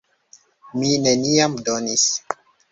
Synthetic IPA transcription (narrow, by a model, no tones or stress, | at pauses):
mineniamdonis